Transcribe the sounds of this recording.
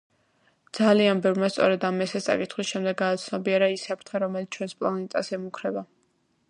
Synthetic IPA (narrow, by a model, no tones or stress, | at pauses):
d̪zalianbɛvɾmast̪sʼɔɾɛd̪amɛsɛst̪sʼa̰kʼit̪ʰχwisʃɛmd̪ɛɡːaːt̪sʰnɔbiɛɾaisapʰɾt̪ʰχɛɾɔmɛlit̪ʰt͡ʃʰwɛnspʼlˠanɛt̪ʼasɛmukʰɾɛba